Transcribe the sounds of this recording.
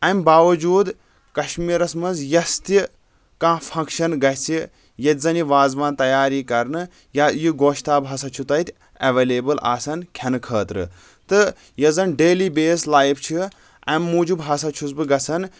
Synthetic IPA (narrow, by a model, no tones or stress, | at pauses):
ɐmbaːʋɐd͡ʒuːd̪ | kɐʃmiːɾɐsmɐnzjɐst̪i | kãːfʰɐ̃ŋkʃɐnɡɐɦʲsi | jɐt̪ʲzɐniʋaːzʋãːnt̪ɐjaːɾiːkɐɾnɨ | jaːjiɡoːʃt̪aːbɦɐsɐt͡ʃʰut̪ɐt̪ʰʲ | ɐʋeːleːbɨlʔa̰ːsɐnkʰɐnɨkʰəːt̪ɾɨ̰ | t̪ɨ | jɐzɐnɖeːliːbeːslaːjpʰt͡ʃʰi | ɐ̰mːuːd͡ʒubɦɐsɐt͡ʃʰusbɨɡɐsɐn